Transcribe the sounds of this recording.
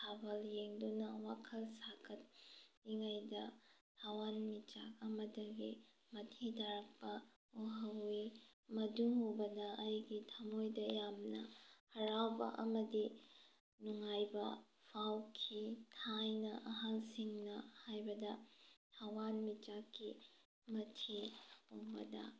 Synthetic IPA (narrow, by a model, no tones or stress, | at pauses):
sʰabɐljeŋdunɐwakʰɐlsakʰɐt̚niŋajdɐtʰawanmit͡ʃakɐmɐdɐɡi | mɐtʰidaɾɐk̚pɐ | oɦɐwimɐduŋhobɐdɐːjɡitʰɐmojdɐjamnɐhɐɾawbɐ̰ʔɐmɐdi | nuŋajbɐ | pʰawkʰitʰajnɐʔɐɦalsiŋnɐhajbɐdɐtʰawanmit͡ʃakːi | mɐtʰihuŋbɐdɐ̰